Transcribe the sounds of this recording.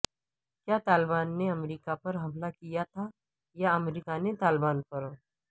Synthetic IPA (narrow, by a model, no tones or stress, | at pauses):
kjaːt̪aːlɪbaːnːeɐmɾiːkapɐɾɦɐmlakijat̪ʰa | jaɐmɾiːkanet̪aːlbaːnpɐɾ